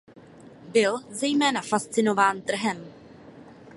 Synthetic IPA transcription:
bɪlzɛjmɛːnafast͡sɪno̞vaːnt̪r̩ɦɛm

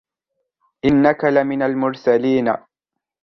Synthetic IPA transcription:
ʔɪnːakalɪmɪnalmʊɾsaliːna̰

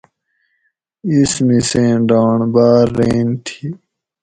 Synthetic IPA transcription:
ismisẽːɖaːɳbaːɾːeːnt̪ʰiː

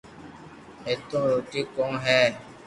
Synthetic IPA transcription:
eːt̪õːɾoːʈiːkõːɦɛː

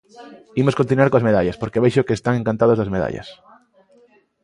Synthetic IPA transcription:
imoskont̪inuaɾkoazmeðaʎaspoɾkeβeʃokeːst̪aŋẽŋkãnt̪aðozðazmeð̞a̰ʎɐ̰s

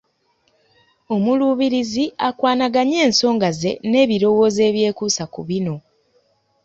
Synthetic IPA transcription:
o̞muluːβiɾiziakwaːnaɡaɲe̞ːnso̞ːŋɡaze̞̰ne̞ːβiɾo̞wo̞ːze̞ːβje̞ːkuːsakuβino̞

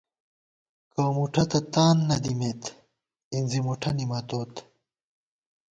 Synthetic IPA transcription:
kɐːmuʈʰɐt̪ɐt̪aːnːɐd̪imet̪ | inzimuʈʰɐnimɐt̪oːt̪

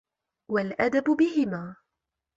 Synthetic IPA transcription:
walʔad̪abʊbɪhɪmaː

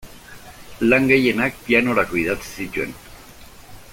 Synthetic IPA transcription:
laŋɡeje̞nak̚piano̞ɾako̞ið̞at͡si̥sit̪ue̞̰n

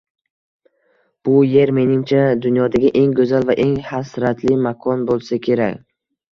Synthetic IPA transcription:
b̥ʊje̞ɾme̞nɪmt͡ʃʰad̪ʊnjɒd̪aɡʲaʔe̞ŋɡɵzalvaʔe̞ŋhasɾat̪ʰlɪmakʰɒnbolˠsakʲʰe̞ɾakʲ

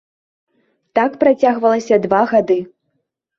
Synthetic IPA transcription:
t̪akpɾat͡sʲaɣvɐlˠɐsʲɐd̪vaɣad̪ɨ

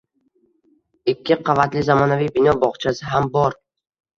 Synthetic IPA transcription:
ɪkʲːɪqʰɑvat̪lɪzamɒnavijbɪnɒbɒʁt͡ʃʰasɪɦambɒɾ

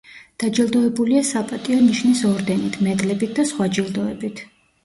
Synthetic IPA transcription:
d̪̥ad͡ʒilˠd̪ɔɛbuliasapʼat̪ʼiɔniʃnisɔɾd̪ɛnit̪ʰmɛd̪lɛbit̪̚ʰd̪asχwad͡ʒilˠd̪ɔɛbit̪ʰ

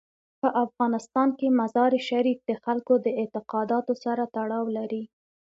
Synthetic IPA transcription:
pəʔafɣɑnɪst̪ɑnkemazɑɾeʃaɾik̚d̪əxalkod̪əɪt̪ɪqɑd̪ɑt̪osaɾat̪aɽɑwlaɾi

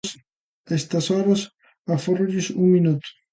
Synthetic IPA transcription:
s | est̪ɐsɔɾɐs | aforuʎisuŋminut̪ʊ̥

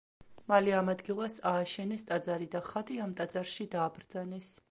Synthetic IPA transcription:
maliamad̪ɡilˠasaːʃɛnɛst̪ʼad̪zaɾid̪aχad̪iamt̪ʼat̪zʼaɾʃid̪aːbɾd̪zanɛs

